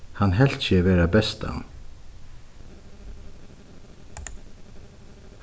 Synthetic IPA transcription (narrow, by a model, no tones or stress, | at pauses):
hanɦɛl̥sɪʋɛːɾabɛst̪a̰